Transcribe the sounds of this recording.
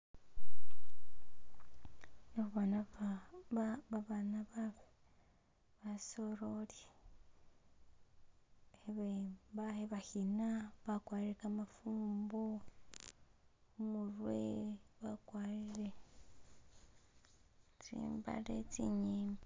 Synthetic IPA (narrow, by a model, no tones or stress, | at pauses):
nouβana | βaβanaβaβe | βasoɾolje | eβebaeβahinaβakwaːɾiɾekamafuːmbo | murwḛβakwaːɾiɾe | t͡sḭːmba̰lḛt͡sḭɲiːma